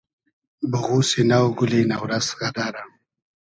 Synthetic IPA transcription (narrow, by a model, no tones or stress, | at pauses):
bəɣusenawɡʊlenawɾazɣad̪aɾam